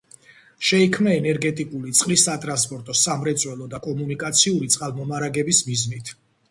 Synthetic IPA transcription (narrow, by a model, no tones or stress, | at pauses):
ʃɛikʰmnaɛnɛɾɡɛt̪ʼikʼulit̪sʼqʼlisːat̪ʼɾanspʼɔɾt̪ʼɔsamɾɛt̪sʼwɛlˠɔd̪akʼɔmunikʼat̪sʰiuɾit̪sʼqʼalˠmɔmaɾaɡɛbismiznit̪ʰ